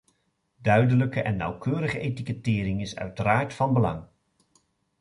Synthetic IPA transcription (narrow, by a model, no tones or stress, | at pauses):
dœɥdələkəʔɛ̰nːɑ̰wkøːɾəχəetikətɪːɾɪŋɪsœ̰ɥtəɾaːɹtfɑnbəlɑ̰ŋ